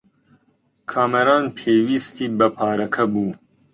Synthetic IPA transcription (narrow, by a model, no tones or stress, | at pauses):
kʰaːmɐɾaːnʈʰeːwist̪ibɐpʰaːɾɐkʰɐbuː